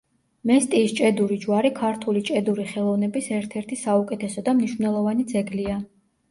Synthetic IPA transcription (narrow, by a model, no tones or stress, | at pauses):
mɛst̪ʼiːst͡ʃʼɛd̪uɾid͡ʒwaɾikʰaɾt̪ʰulit͡ʃʼɛd̪uɾiχɛlˠɔvnɛbisɛɾt̪ʰɛɾt̪ʰisaukʼɛt̪ʰɛsɔd̪amniʃvnɛlˠɔvanid̪zɛɡlia